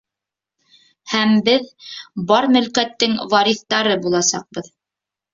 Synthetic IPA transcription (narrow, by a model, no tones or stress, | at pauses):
hæmbɘðbɑɾmɵ̆lkæt̪ːɘŋvɑɾiθt̪ɑɾɤbulˠɑsɑ̰q̚bɤð